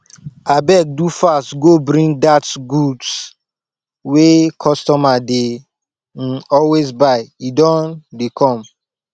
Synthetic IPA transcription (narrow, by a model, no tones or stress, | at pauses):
abɛk̚dufastɡobɾĩŋdatɡuds | wekʰɔstɔmade | n̩ɔlwezbaɪidɔ̃ndekʰɔ̃m